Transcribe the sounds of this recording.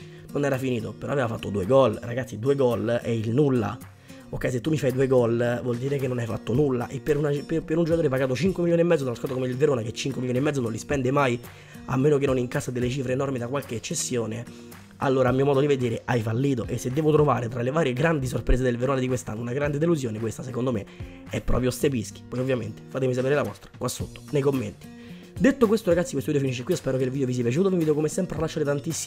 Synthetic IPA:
nonɛːɾafiniːt̪opeɾɔ̰aveːvafat̪ːod̪ueɡɔlraɡat̪sːid̪uːeɡɔlɛilnulːa̰ | okːɛjs̬et̪ːumːifajd̪uːeɡɔlvwɔld̪iːɾekenːonajfa̰t̪ːonulːa̰ʔepːeɾunappeɾund͡ʒokat̪oːɾɛpaɡaːt̪ot͡ʃiŋkwemiljoːniemːɛd̪zod̪anoskaːt̪okomeilveɾoːnaket͡ʃːiŋkwemiloːniemːɛd̪onõnlispɛnd̪emaj | a̰mːeːnok̬enːoniŋkasːad̪elːet͡ʃiːfɾeːnɔrmid̪akwalk̟eːt͡ʃːesːjoːne | a̰lːoːɾamiːomɔːd̪od̪ived̪eːɾeʔajfalːiːt̪̬oʔesːed̪ːɛːvot̪ɾovaːɾet̪ɾalevaːɾjeɡɾand̪is̬orpɾeːs̬ed̪elveɾoːnad̪ikwest̪a̰nːounaɡɾand̪ed̪eluzjoːnekwest̪asekond̪ome | ɛpːɾɔ̰ːpɾjost̪ep̬isk̟i̥pɔjovːjament̪e̥faːt̪emis̬apeːɾelavɔ̰st̪ɾḁkwasːot̪ːo̥nejkomːent̪i̥ | d̪et̪ːokwest̪oɾaɡat̪sikwest̪ovid̪ofiniʃ̬ːekwiospɛːɾokeilvid̪eovis̬iapjat͡ʃut̪ovimvid̪okomesɛmpɾearlaʃt͡ʃːaːɾet̪ant̪isː

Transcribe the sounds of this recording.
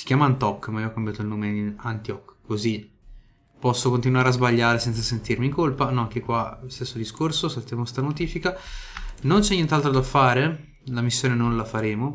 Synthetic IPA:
si̥kʲjaːmant̪ɔkːmaioɔkːambjaːt̪oilnoːmeiant̪iɔkːozi | pɔsːokont̪̬inwaːɾeazbaʎːaːɾesɛnt̪sasent̪irmiŋkolpanɔaŋkekwaost̪esːod̪iskorsosalt̪jaːmost̪anot̪iːfika | nont͡ʃɛɲːɛnt̪alt̪ɾod̪afːaːɾe | lamisːjoːnenonlafaɾeːmo

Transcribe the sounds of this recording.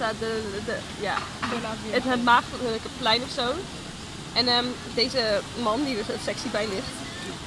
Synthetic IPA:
adədə | ja̰ː | ətəmaːχələkəplɛjnɔfsow | ʔɛnəm | dejzəmɑndidɪɹzosɛksibɛjlɪχt

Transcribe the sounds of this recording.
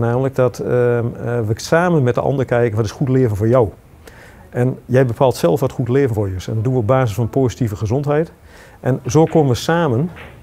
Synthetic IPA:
naːmələk̚dɔt | ʋəsaːmənmɛtdə̰ʔɔ̰ndərkɛjkənʋɔtɪsxutlɪəvənfoːɹjɔw | ʔɛnjɛjbəpʰaːlˠtsɛlˠfʋɔtχutlɪəvən̩foɹjəsɛ̰ndɔt̚duʋəob̚aːzəsfɔnpoːzitivəχəzɔntɦɛjt | ʔɛnzoːkomənʋəsaːmən

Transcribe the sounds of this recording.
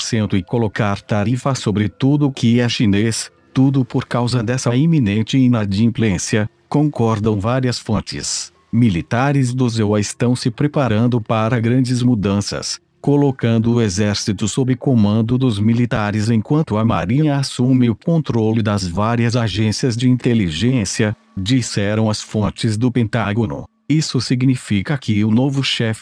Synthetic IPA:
poɾsẽnt̪ʊɪ̃kolokaɾt̪aɾifɐsobɾɪt̪ud̪ʊkɪɐʃines | t̪ud̪ʊpoɾkawzɐd̪ɛsɐimĩnẽnt͡ʃɪĩnad͡ʒiĩplẽsiɐ | kõkɔɾd̪ɐ̃w̃vaɾiɐsfõt͡ʃɪ̰s | milit̪aɾɪzd̪ʊzewɐɪst̪ɐ̃w̃sɪpɾepaɾɐ̃nd̪ʊpaɾɐɡɾɐ̃d͡ʒɪzmud̪ɐ̃sɐ̰s | kolokɐ̃nd̪ʊːezɛɾsit̪ʊsobɾɪkomɐ̃nd̪ʊd̪ʊzmilit̪aɾɪzẽj̃kwɐ̃nt̪ʊɐma̰ɾĩɲɐasumɪʊkõnt̪ɾolɪd̪ɐzvaɾiɐzaʒẽsiɐzd͡ʒɪĩnt̪eliʒẽsiɐ | d͡ʒisɛɾɐ̃w̃ɐsfõnt͡ʃɪzd̪ʊpẽnt̪aɡonʊ̰ | isʊsiɡnifikɐkɪʊnovʊʃɛfɪ

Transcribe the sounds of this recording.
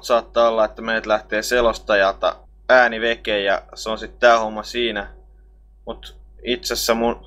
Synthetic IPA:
t̪sɑːt̪ːɑːolːɑet̪ːæmeit̪læht̪eːselost̪ɑjɑt̪ɑ̰ | æːniʋekeːjjɑ̰seonsit̪tæːhomːɑsiːnæ | mut̪ | it̪sesːæmun

